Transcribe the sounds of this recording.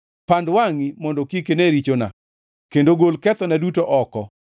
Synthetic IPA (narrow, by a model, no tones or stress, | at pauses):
pandwaŋimɔndɔkikeneɾit͡ʃona̰ | kendoɡolkɛt̪ɔnɛdutoʔɔkɔ